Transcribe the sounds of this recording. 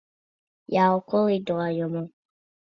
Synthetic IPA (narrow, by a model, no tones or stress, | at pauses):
jaɔkolidɔajɔmɔ̃